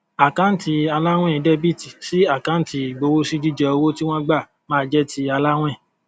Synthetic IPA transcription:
a˨kã˨˦n̩˦ti˧a˧la˦w̃ɛ̃˦˨˧dɛ˦bi˦˨ti˨si˦a˦˨kã˨˦n̩˦ti˧˨ɡ͡bo˧wo˦si˦d͡ʒi˦d͡ʒɛ˧o˧wo˦ti˦w̃ɔ̃˦ɡ͡ba˦˨ | mãː˨˦˧d͡ʒɛ˦tʰi˧a˧la˦w̃ɛ̃˦˨

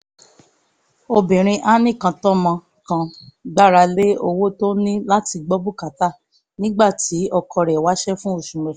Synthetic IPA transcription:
o˧bĩ˨ɾ̃ĩ˧ʔa˦nĩ˦˨kã˧tɔ˦mã˧ | kã˧da˦ɾa˧le˦o˧wo˦to˦nĩ˦la˦ti˧ɡ͡bɔ˦bu˦˨ka˨ta˦˨ | nĩ˦ɡ͡ba˦˨ti˨˦ɔ˧kʰɔ˧ɾɛ˨wa˨˦ʃɛ˦fũ˦o˦˨ʃũ˨ɾɛ˨

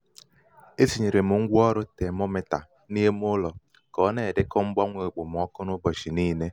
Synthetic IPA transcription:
e˦si˨ɲe˨ɾe˨mʊ˨ŋ̩˦ɡʷu˦ɔ˦ɾʊ˦te˨mo˦me˨ta̰˨ | ni˦e˦m˦ʊ˦lɔ˨ | kɔ˨˦ne˨dɪ˦kɔ˦ŋ͡m̩˦ɡ͡bɔ˦ŋʷe˨k͡pʊ˨m˨ɔ˦kʊ˦nʊ˦bɔ˨ʃi˨niː˦ne˦

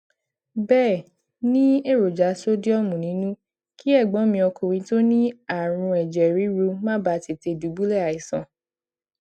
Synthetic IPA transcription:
bɛː˦˨ | nĩ˦e˦˨ɾo˨d͡ʒa˨˦so˦di˦ɔ˦mũ˨nĩ˨˦nũ˦ | ki˦ɛ˦˨ɡ͡bɔ̃˨˦mĩ˧ɔ˧kʰo˨ɾĩ˧to˦nĩ˦a˦˨ɾ̃ũ˧ɛ˨d͡ʒɛ˨ɾi˨˦ɾu˧mã˦ba˨˧˨te˨te˧˨du˨˦ɡ͡bu˦lɛ˦˨a˨i˨sɔ̰̃˧

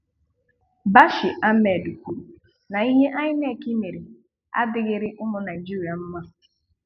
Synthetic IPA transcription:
ba˦ʃɪ˨ʔa˦me˨du˨kʷu˨ɾu˨ | na˨i˦ɦe˦ʔa˦ɲɪ˦ne˦˨ki˦me˨ɾi˨ | a̰˦dɪ˨ɣɪ˨ɾɪ˦ʔʊ˦mʊ˦na˨ɪ˨d͡ʒi˦ɾi˨a˨m̩˦ma˦

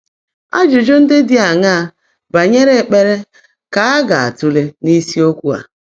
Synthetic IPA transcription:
a̰˦d͡ʒʊ˨d͡ʒʊ˦n̩˦dɪ˦dɪ˦a˨ŋa˦a˨ | ba˨ɲe˦ɾe˦˨k͡pe˦ɾe˦ | ka˨˦a˦ɡa˨a̰˨tu˦le˦ni˦si˦o˦kʷu˦a̰˨

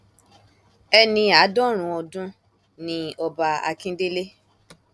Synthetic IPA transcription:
ɛ˧nĩ˧a˨˦dɔ˦ɾ̃ũ˨˧˦ɔ˧dũ˦ | nĩ˧ɔ˧ba˧a̰˧kĩ˦de˦le˦

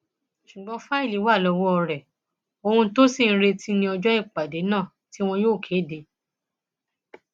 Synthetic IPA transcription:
ʃu˨ɡ͡bɔ˨˦fa˦i˦˨li˨˦wa˦˨lɔ˧wɔ˦ɔ˧ɾɛ˨ | o˧hũ˧to˦sĩ˦˨˦ɾe˧tʰi˦nĩ˧ɔ˧d͡ʒɔ˦i˦˨k͡pa˨de˨˦nãː˦˨ | ti˨˦w̃ɔ̃˧joː˦˨kʰeː˨˦˨de˧˦

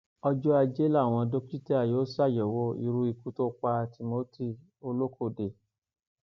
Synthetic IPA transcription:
ɔ˧d͡ʒɔ˦a˧d͡ʒe˦la˦˨w̃ɔ̃˧do˧ki˦tɛ˦a˨joː˨˦sa˦˨jɛ˨wo˦ḭ˧ɾu˧˦i˧ku˦to˦k͡pa˧ti˧mo˦ti˦˨ | o˧lo˦kʰo˦˨de˨

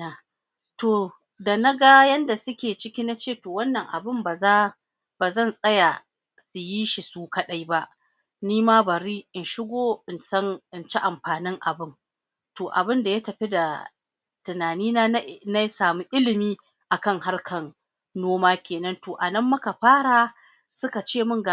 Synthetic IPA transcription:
a˦ | toː˨ | da˨na˦ɡa˦jɐ˦nda˨sʊ˦kʲeː˨t͡ʃɪ˦kʲi˦na˦t͡ʃeː˦˨toː˨wɐ˦nːɐ˨ŋʔa̰˨bɪ˦˨mba˨za˦ | baː˨zɐ˦˨nsʼɐ˦ja˨ | su˨ji˦ʃi˨suː˦kɐ˦ɗa˦jba˦ʔ | niː˦maː˦bɐ˨ɾiː˦ʔɪ˨nʃɪ˦ɡʷoː˦ɪ˨nsɐ˦ŋʔɪ˨nt͡ʃɛ˦ʔa˨mɸaː˨nɪ˦ŋʔa̰˨bɪ˦ŋ | toː˨ʔa̰˨bɪ˦nda˨ja˦tɐ˨ɸi˦da˨ | tɪ˨naː˨niː˦naː˦na˦jsaː˨mu˦ʔɪ˦lɪ˨miː˦ | ʔa˨kɐ˦ŋha˦rkʰɐ˨nː | oː˦maː˦kʲeː˨nɐ˦ntoː˨ʔa˨nɐ˦mːɐ˦ka˨ɸaː˦ɽa˨ | sʊ˦ka˨t͡ʃeː˦˨mʊ˦ŋɡa˨

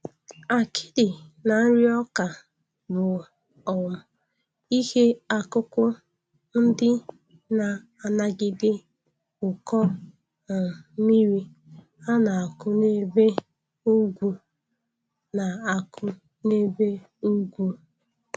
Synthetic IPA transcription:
a˨kʰɪ̥˦dɪ˨na˨n̩˦ɾɪ˦ɔ˦ka˨ | bʊ˨ | ɔ˨ | i˦he˦a˨kʊ˦kʷʊ˦ | n̩˦dɪ˦ | na˨ | a˨na˦ɡɪ˦dɪ˦ | ʊ˨kɔ˦˨ | mi˦ɾi˦ | a˦na˨a˨kʊ˦ne˦be˦ | u˦ɡʷu˨ | na˨a˨kʰʊ˦ | ne˦be˦ | u˦ɡʷu˦

